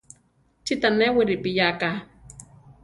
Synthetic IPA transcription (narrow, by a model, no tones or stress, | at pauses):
t͡ʃit̪anewiɾipijaka